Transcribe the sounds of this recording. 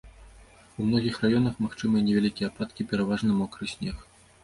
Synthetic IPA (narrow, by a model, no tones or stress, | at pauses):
umnɔɣʲixrajɔnɐxmaxt͡ʂɨmɨjɛnʲɛvʲalʲikʲijɛpat̪̚kʲipʲɛɾavaʐnɨmɔkɾɨsʲnʲɛx